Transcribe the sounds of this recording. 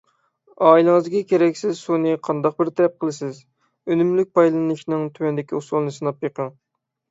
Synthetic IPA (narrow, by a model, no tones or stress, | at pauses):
ɑːilˠɨŋɨzɡʲɛkʲʰeɾɛkʲsɪzsunɨqʰɑnd̪ɑq̚bɪɾt̪ʰɛɾɛp̚qʰəlˠɨsɪz | ønymlyk̚ʲpɑjlˠɨnɨʃnɨŋt̪ʰywɛnd̪ɪkʲiusolˠnɨsɨnɑpjɨqəŋ